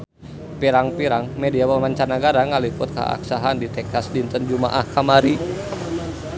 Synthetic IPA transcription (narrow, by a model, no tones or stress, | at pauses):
piɾaŋpiɾaŋmediawəŋlaɲt͡ʃarnaɡaɾaŋalipʊt̪̚ka̰a̰ksaɦandit̪ɛkasdint̪ənd͡ʒuma̰ʔahkamaɾi